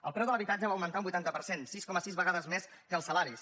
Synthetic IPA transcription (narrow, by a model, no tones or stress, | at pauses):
ə̰lˠpɾɛwðələβit̪ad͡ʒəβaəwmənt̪aũmbujt̪ant̪əpəɾsensiskɔməsizβəɣaðəzmes | kəːlˠsəlaɾis